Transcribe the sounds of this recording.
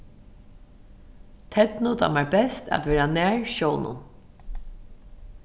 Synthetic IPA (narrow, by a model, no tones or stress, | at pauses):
t̪ʰɛt̪nʊt̪ʰa̰maɹbɛst̪æ̰t̪ʋɛːɾanæːɹʃɔːwnʊ̰n